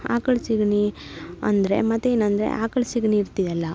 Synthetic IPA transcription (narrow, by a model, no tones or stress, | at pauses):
a̰ːkɐɭsiɡɳi | ɐ̰nd̪ɐɾe̞̰mɐt̪ːeeːnɐnd̪ɾḛʔaːkɐɭsiɡɳiːɾt̪id̪ɐlːɐ